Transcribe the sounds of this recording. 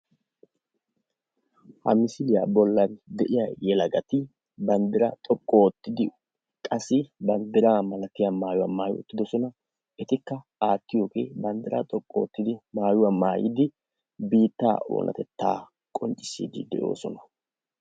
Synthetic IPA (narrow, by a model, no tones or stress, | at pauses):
hɐ̰mɪsɪlɪjɐ̰bɔlːɐnd̪ɛʔɪjajɛlɐɡɐt̪ɪ | bɐnd̪ɪɾɐ̰t̪ʼɔkʼːoɔt̪ːɪd̪ɪ | kʼɐsɪbɐnd̪ɪɾaːmɐlɐt̪ɪjamaːjʊwɐmaːjɔ̰t̪ːɪd̪ɔsɔnɐ | ɛt̪ɪkːɐ | aːt̪ːɪjoːke̞̰ːbɐnd̪ɪɾɐ̰t̪ʼɔkʼːɔɔt̪ːɪd̪ɪmaːjʊwɐmaːjɪ̰d̪ɪ | biːt̪ːaːo̰ːnʔɐ̰t̪ɛt̪ːa̰ː | kʼɔnt͡ʃʼːɪ̥sḭːd̪ɪ̰d̪ɛʔo̞̰ːsɔnɐ̥